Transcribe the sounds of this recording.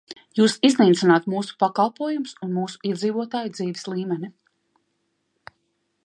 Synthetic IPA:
juːsizniːt̪sinaːt̪muːsu̥pakalˠpuɔjumsunmuːsu̥iɛd̪ziːvuɔt̪aːjud̪ziːvislˠiːmɛnʲi

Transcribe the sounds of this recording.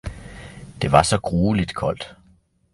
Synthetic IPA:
d̥e̝ʋɑ̈sɒ̽ɡ̥ʁuːlid̥kʰɒ̽l̰d̥

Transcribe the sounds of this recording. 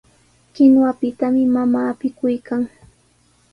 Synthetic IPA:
ɢɪnwapɪt̪amɪmamaːpɪkʊjkaŋ

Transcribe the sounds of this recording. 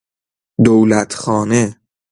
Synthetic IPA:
d̪owlæt̪ʰxɒːne

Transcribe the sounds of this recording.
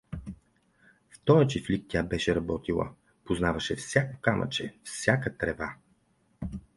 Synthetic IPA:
ft̪ɔɾjət͡ʃiflik̚t̪ʲabɛʃɛɾɐbɔt̪ilˠə̰ | poznavɐʃɛfsʲjakokamɐ̰t͡ʃɛfsʲjakət̪ɾɛva

